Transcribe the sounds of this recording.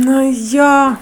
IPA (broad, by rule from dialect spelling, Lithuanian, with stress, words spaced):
ˈnʊ ˈjoː